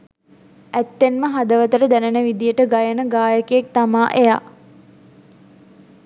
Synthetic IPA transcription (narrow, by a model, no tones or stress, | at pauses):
æt̪ːenməɦad̪əʋət̪əɾəd̪ænənəʋid̪ijəʈəɡajənəɡaːjəkəek̚t̪amaːʔeja̰